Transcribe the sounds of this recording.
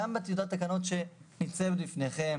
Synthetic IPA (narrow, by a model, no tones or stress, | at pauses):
ambet̪ijud̪at̪ːakano̞t̪ʃe̞nit͡sevdlifneχe̞m